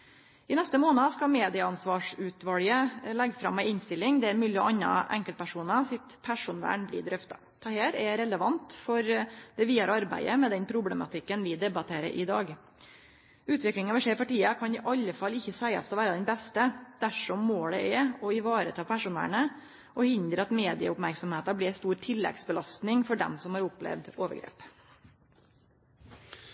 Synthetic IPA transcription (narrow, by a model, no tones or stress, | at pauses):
ɪnɛst̪əmoːnɑskɑmeːd̪ɪɑɑnsʋɑːʂʉːt̪ʋɑljəlɛɡːfɾɑ̰mːæɪɪnst̪ɪlːɪŋd̪ɛæɾmʉːlɪɔ̰ɑnːɑ̰ʔɛ̰ŋkəl̚pʰæʂuːnɑsɪt̪pʰæʂʊnʋæ̰ːɳblɪ̰d̪ɾœft̪ɑ̰ | t̪ʰɛheːɾɛɾɛləʋɑnt̪fɔɾd̪̥ɛʋiːɑɾɑɾbæ̰ɪəmɛd̪ɛnpʰɾʊblɛmɑ̰t̪ʰɪkːənʋɪd̪ɛbɑt̪ʰeːɾə̰ʔɪd̪ɑ̰ːɡ | ʉːt̪ʋɪklɪŋɑʋɪʂeːpɑʈiːɑkʰɑnɪʔɑlːəfɑlːɪçːəsæɪɑ̰st̪ɔʋæːɾəd̪ɛnbɛst̪əd̪̥æʂɔmːoːɖɛɛɔɪʋɑːɾət̪ʰɑːpʰæʂʊnæ̰ːɳə | ʔɔhɪnd̪ɾəɑt̪meːd̪ɪə̰ʊpmæɾksɔmheːt̪ɑbliːst̪uːɾt̪ʰɪlːɛ̰ɡsbəlɑst̪nɪŋfɔɖɛ̰msɔmhɑɾʊplɛ̰ʋd̪oːʋə̰ɾɡɾḛːp